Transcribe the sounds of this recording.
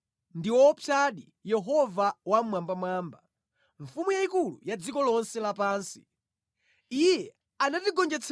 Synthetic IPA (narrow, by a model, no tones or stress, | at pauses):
ndiwɔpʰjaɗi | jɛɦɔvawamwambamwaːmba | ɱfumujaikulṵjad͡zikɔlɔnsɛlapaːnsi̥̰ | ijɛ | anatiɡɔnd͡ʒɛt͡sʰ